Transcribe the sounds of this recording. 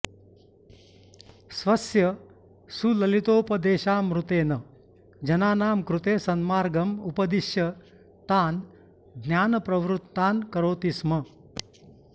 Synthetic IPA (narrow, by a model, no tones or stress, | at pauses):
sʋɐsjɐ | sulɐlit̪oːpɐd̪eːʃaːmɾut̪eːnɐ | d͡ʒɐnaːnaːmkɾut̪eːsɐnmaːɾɡɐmupɐd̪iʃjɐ | t̪aːn | ɡnjaːnɐpɾɐʋɾut̪ːaːnkɐɾoːt̪ismɐ